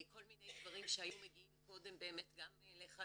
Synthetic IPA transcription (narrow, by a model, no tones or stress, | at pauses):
ko̞lminejd̪vaʁimʃeajumeɡiimko̞de̞mbe̞ːme̞tɡamleχa